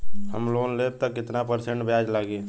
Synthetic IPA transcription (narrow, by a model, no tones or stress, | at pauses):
hə̰mloːnleːp̚t̪əkɪt̪napəɾsẽɳʈbʱjaːd͡ʒlaːɡe